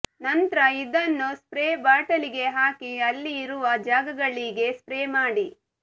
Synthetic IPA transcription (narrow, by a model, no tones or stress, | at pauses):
nɐnt̪ɾɐid̪ɐnːuspɾeːbaːʈɐliɡe̞ɦaːkiɐlːiːɾuʋɐd͡ʒaːɡɐɡɐɭːiɡe̞spɾeːmaːɽi